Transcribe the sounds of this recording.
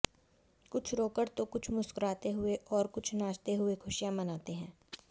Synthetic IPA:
kʊt͡ʃʰɾoːkəɽt̪okʊt͡ʃʰmʊskʊɾaːt̪eɦʊeʔɔːɾkʊt͡ʃʰnaːʃt̪eɦʊekʰʊʃijãmɐnaːt̪eɦɛ̃ː

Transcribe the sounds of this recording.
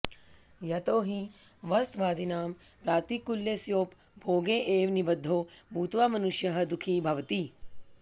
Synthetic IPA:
jɐt̪oːɦiʋɐst̪ʋaːd̪inaːmpɾaːt̪ikuljesjoːp | bʱoːɡeːʔeːʋnibɐd̪ʱːoːbʱuːt̪ʋaːmɐnuʃjɐɦɐ̆d̪ukʰiːbʱɐʋt̪i

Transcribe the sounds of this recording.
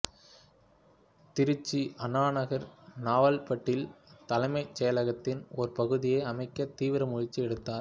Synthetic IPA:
t̪ɪɾɯt͡ʃːiʔɐnaːnɐɣɐɾnaːʋɐlpɐʈːɪlt̪ɐlɐɪmɐɪt͡ʃːɛjɐlɐɣɐt̪ːɪnɔɾpɐɣɯðɪjeːɐmɐɪkːɐt̪iːʋɪɾɐmʊɻɪt͡ʃːiɛɽɯt̪ːaːɾ

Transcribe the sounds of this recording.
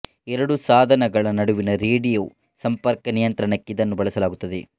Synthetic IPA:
ɛɾɐɽusaːd̪ʱɐnɐɡɐɭɐnɐɽuʋinɐɾeːɽijoː | sɐmpɐɾkɐnijɐnt̪ɾɐɳɐkːeid̪ɐnːubɐɭɐsɐlaːɡut̪ːɐd̪e

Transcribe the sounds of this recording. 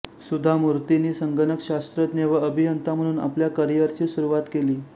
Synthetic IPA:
sud̪ʱamuɾt̪iniːsəŋɡənəkɕast̪ɾət̪neʋaəbʱijənt̪am̤əɽ̃uːna̰pljakəɾijəɾt͡ɕiːsuɾuʋat̪keliː

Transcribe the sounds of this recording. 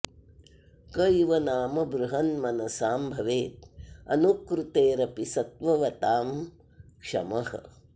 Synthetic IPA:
kɐjʋɐnaːmɐbɾuɦɐnmɐnɐsaːmbʱɐʋeːt̪̚ɐ̰nukɾut̪eːɾɐpisɐt̪̚ʋɐʋɐt̪aːm | kʂɐ̰mɐhɐ̰

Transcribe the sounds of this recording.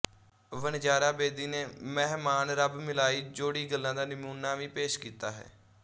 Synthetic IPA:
ʋənd͡ʒaːɾaːbeːd̪iːneːmɛːɦmaːnɾəbmɪlaːiːd͡ʒoːɽiːɡəlːãːd̪aːnɪmuːnaːʋĩːpeːʃkiːt̪aːɦɛ̰ː

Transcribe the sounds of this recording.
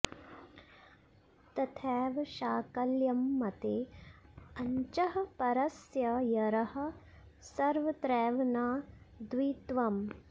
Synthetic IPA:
t̪ɐt̪ʰɛːʋɐʃaːkɐljɐmːɐt̪eː | ɐɲt͡ʃɐɦɐpɐɾɐsjɐjɐɾɐhɐ̆ | sɐɾʋɐt̪ɾɛːʋɐnaːd̪ʋiːt̪ʋɐm

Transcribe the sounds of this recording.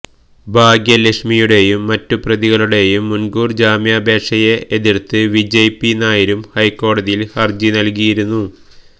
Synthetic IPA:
bʱaːɡjɐlekʂmijuɽe̞jumːɐtːuprɐðiɣɐɭuɽe̞jumːunɡuːrd͡ʑaːmjaːbe̞ːʂɐjeeðirt̪ɨʋid͡ʑejpːinaːjiɾumhɐjkːo̞ːɽɐðijilhɐrd͡ʑinɐlk̬ijiɾunːu

